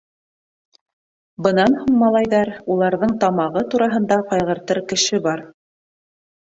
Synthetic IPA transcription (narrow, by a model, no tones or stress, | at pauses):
bɤ̆nɑnhuɴmɑlˠɑjðɑɾulˠɑɾðɤɴt̪ɑmɑʁɤt̪uɾɑɦɤ̆nd̪ɑqɑjʁɤ̆ɾt̪ɤɾkɘ̆ʃɘbɑɾ